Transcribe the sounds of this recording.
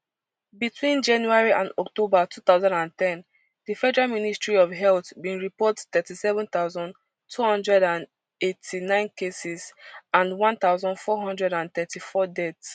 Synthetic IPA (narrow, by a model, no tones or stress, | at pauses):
bitʰwĩnd͡ʒãnjuaɹiʔã̰ndɔk̚tobatʰuθaʊzãndãntɛ̃n | difɛdɛɹaministɹiɔvɦɛltbĩnɹipɔttɛtisɛvə̃nt̪aʊzɔ̃nd | tʰuhɔ̃ndɹɛdãn | etʰinãɪ̃nkesizãnwɔ̃nt̪aʊzɔ̃ndfɔɦɔ̃ndɹɛɾãnt̪ɛtifɔdɛts